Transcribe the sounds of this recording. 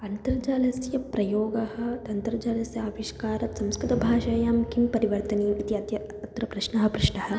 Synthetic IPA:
ɐnt̪ɐɾɐd͡ʒaːlɐsjɐpɾɐjoːɡɐhɐ̆t̪ɐnt̪ɐɾɐd͡ʒaːlɐsjɐaːʋiʃkaːɾɐt̪sɐmskɾit̪ɐbʱaːʃɐjaːmkimpɐɾiʋɐɾt̪ɐniːit̪iɐt̪jɐ | ɐt̪ɾɐpɾɐʃɳɐɦɐ̆pɾuʂɳɐɦɐ̆

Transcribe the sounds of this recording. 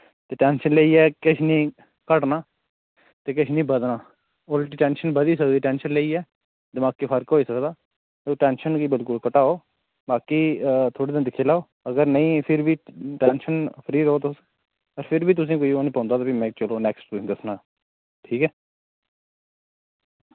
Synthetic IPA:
t̪eːʈɛːnʃənleːiːɛːkɪʃʰnĩː | kəʈnaː | t̪eːkɪʃʰnĩːbəd̪naː | oːlʈiːʈɛ̃ːnʃənbəd̪iːsəkd̪iːʈɛːnʃənleiːɛː | d̪ɪmaːkiːpʰəɾkɦoːiːsəkd̪aː | eoːʈɛːnʃənɡiːbɪlkʊlkəʈaːoː | baːkiːt̪ʰoːɽiːd̪ẽnd̪ɪkʰːeːlaːoː | əɡəɾnəĩːpʰɪɾbiːʈɛːnʃənpʰəɾiːɾəoːt̪ʊs | əɾpʰɪɾbiːt̪̬ʊsĩːkoːiːoːniːpãːnd̪aːt̪aːbimɛ̃ːt͡ʃəloːnɛːksʈt̪ʊsĩːd̪əsnaː | ʈʰiːkɛː

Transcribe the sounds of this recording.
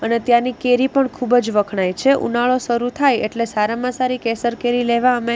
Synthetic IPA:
ənet̪jãnikeɾipəɳkʰubd͡ʒʋəkʰɳajt͡ʃʰeʔṵnaɭoʃəɾut̪ʰajḛʈlesaɾamãsaɾikesəɾkeɾileʋaəme

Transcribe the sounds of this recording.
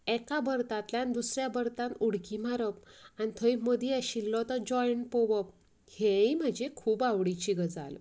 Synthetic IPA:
ɛkabʱəɾt̪at̪ljand̪usɾjabəɾt̪anuɽkimaɾəp̚anit̪ʰəjməd̪ʱiaɕilːɔt̪əd͡ʑɔjɳʈpoʋəp̚ | heim̤əd͡ʑekʰuːbaʋɽit͡ɕiɡəd͡za̰l

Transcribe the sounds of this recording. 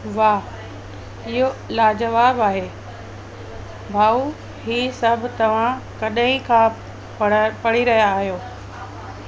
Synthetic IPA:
ʋaː | ɪɦolaːd͡ʑɐʋaːbaːɦeː | bʱaːu | hiːsɐbʱt̪ɐʋ̤ãkɐɗəĩkʰã | pɐɽiɾɐɦijaːɦijoː

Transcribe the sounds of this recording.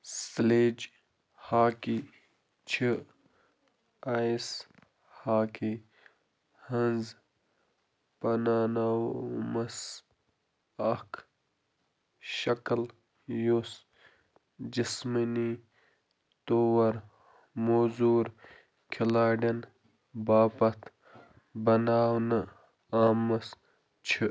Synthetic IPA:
sleːd͡ʒ | haːki | t͡ʃʰi | ais | haːkʰi | hɐnz | pɐnaːnawmɐs | ɐkʰ | ʃɐkl | jos | d͡ʒismɐni | t̪oːwɐɾ | moːzuːɾ | kʰilaːɖɐn | baːpɐt̪ | bɐnaːwnɐ | aːmɐs | t͡ʃʰi

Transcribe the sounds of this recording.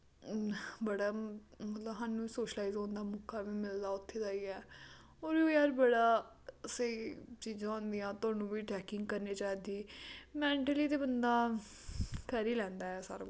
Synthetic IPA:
bəɽaːmət̪ləbɦaːnũːsoːʃəlaːɪzõːnd̪aːmʊkaːʋiːmɪld̪aːʊt̪ʰːeːdaːiːɛː | oːɾioːjaːɾbəɽaː | set͡ʃiːzãːɦõːnd̪ijãːt̪ʊaːnũːʋiːʈɛːkɪ̃ŋɡkəɾniːt͡ʃaːd̪iːmɛ̃ːɳʈəliːt̪eːbənd̪aː | kʰəɾiːlɛ̃ːnd̪aːɛːsə̰ɾ

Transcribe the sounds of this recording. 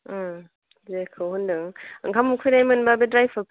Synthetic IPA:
zekʰɯwhundɯŋɯŋkʰamukʰujnajmɯnbabedɾajpʰapʰ

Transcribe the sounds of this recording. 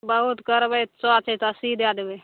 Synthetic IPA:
bəɦut̪kəɾbəj̪t͡ʃoat͡ʃʰɛt̪asid̪ad̪ebe

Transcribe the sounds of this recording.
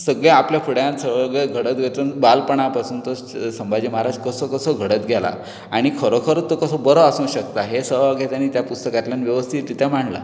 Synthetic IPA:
səɡɭeapljafʰuɽjãnsəʋaɡɭeɡʱəɽət̪̚ɡʱet̪ənbalpəɳ̃apasuːnt̪ə | səmbad͡ʑiməɦaɾad͡ʑkəsokəsoɡʱəɽət̪ɡʱala̰ | aɽ̃ikʰəɾokʰəɾət̪ːokəsobəɾoasũːɕək̚t̪aɦesəʋaɡɛt̪janːiːt̪japust̪əkat̪ljanʋjəʋəst̪ʰiːt̪ːit̪ʰjam̤aɳla̰

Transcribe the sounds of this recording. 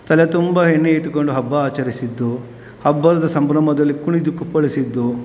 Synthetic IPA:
t̪ɐlet̪umbɐɦenːeiʈːuko̞ɳɖuɦɐbːɐaːt͡ʃɐɾisid̪ːu | hɐbːɐɾɐd̪ɐsɐmbɾɐmɐd̪ɐlːikuɳid̪ukːupːɐɭisid̪ːu

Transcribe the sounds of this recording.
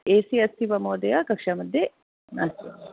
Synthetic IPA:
eːsiɐst̪ʰiʋɐmoːd̪ejakɐkʃaːmɐd̪ʱje | na̰

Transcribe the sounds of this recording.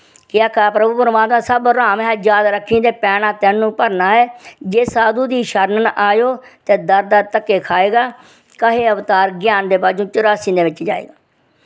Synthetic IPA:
kɪaːkaːpɾəbuːpəɾmaːt̪mãːsəbɾaːmɦɛːd͡ʒaːd̪ɾəkʰːĩːd̪eːpɛːnãːt̪ɛːnːũːpəɾnaːɦɛːd͡ʒeːsaːd̪uːd̪iːʃəɾnənʔaːjoːt̪eːd̪əɾd̪aːt̪əkːeːkʰaːeːɡaː | kəɦeːəʋt̪aːɾɡjaːnd̪eːpaːd͡ʒõːt͡ʃʊɾaːsĩːd̪eːʋɪt͡ʃd͡ʒa̰ːḛːɡaː

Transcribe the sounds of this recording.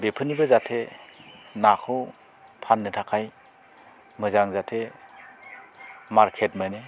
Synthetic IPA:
bepʰɯnibɯzatʰe | nakʰɯw | pʰanːɯtʰakʰaj | mɯzaŋzatʰe | maɾkʰetmajne

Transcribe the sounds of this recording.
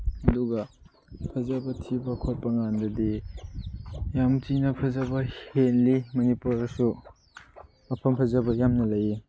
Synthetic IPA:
ɐduɡɐ | pʰɐzabɐtʰibɐkʰot̚pɐŋandɐdi | jamtinɐpʰɐzɐbɐhenlimɐnipuɾsu | ɐpʰɐmpʰɐzɐbɐjamnɐlɐji

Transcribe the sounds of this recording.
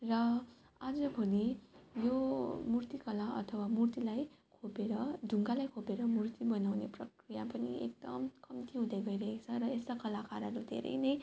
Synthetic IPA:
rʌ | ad͡zʌbʱʌnijomurt̪ikʌlaʔʌ̰t̪ʰʌwamurt̪ilajkʰopeɾʌɖʱuŋɡalajkʰopeɾʌmurt̪ibʌnawneprʌkrijapʌnḭḛk̚d̪ʌmkʌmt̪iɦũd̪ajɡʌjɾʌɦekt͡sʰʌɾʌest̪akʌlakaɾʌɾud̪ʱḛɾʔʌ̰jnʌj

